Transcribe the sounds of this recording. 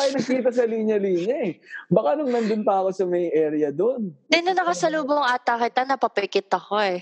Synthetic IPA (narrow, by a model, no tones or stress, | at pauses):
ajnɐɡ̚kiːt̪ɐs̬ɐliːɲɐliːɲɐɛbɐkanʊŋnɐnd̪ʊnp̪aːɐkosɐmɐjʔɛːɾɪjɐd̪ond̪ɛnɐnɐkɐsɐluːboɐŋʔaːt̪akɪt̪anɐpɐpɛkɪt̪ɐko̞ɛ